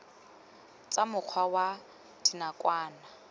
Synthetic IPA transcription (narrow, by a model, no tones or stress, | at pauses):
t͡sʼamʊk͡xʰwawa | tʰɪnakʼwaːna